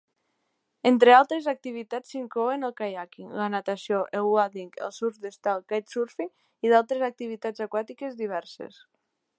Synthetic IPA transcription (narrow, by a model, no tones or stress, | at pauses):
ent̪ɾealˠt̪ɾezak̚t̪iβ̞it̪at͡sːiŋkloenəlˠkajakilanat̪asioʔelwaðiŋkḛlˠsuɾd̪est̪alˠkaj̪suɾfi | iðalˠt̪ɾezak̚t̪iβit̪azakwat̪ikezðiβ̞ɛɾsḛs